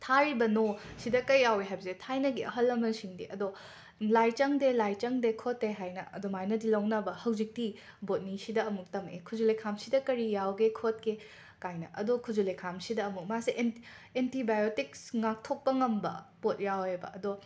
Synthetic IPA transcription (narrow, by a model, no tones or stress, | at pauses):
tʰaɾibɐnosidɐkɐjːaweɦajbɐzetʰajnɐɡiɐɦɐlːɐmɐsiŋdiʔɐdo | lajt͡ʃɐŋdelajt͡ʃɐŋdekʰoteɦajnɐ̰ɐ̰domajnɐdilɐwnɐbɐhɐwzik̚ti | bot̚nisidɐɐmuk̚tɐmḛkʰud͡ʒulekʰamsidɐkɐɾijawɡekʰot̚ke | kajnɐ̰ʔɐdokʰud͡ʒulekʰamsidɐːmuk̚masiʔen | entʰibajotiksŋak̚tʰok̚pɐŋɐmbɐ̰pot̚jawebɐ̰ʔɐdo